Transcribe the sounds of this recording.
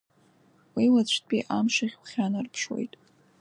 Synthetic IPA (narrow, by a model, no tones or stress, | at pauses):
wilat͡ɕʷʰtpʼiʔamʂaχʲwχʲanarpʰʂwo̰jtʼ